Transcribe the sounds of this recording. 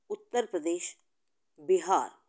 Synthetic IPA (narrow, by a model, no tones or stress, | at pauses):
ʊt̪ːəɾpɾəd̪eːʃ | bɪɦaːɾ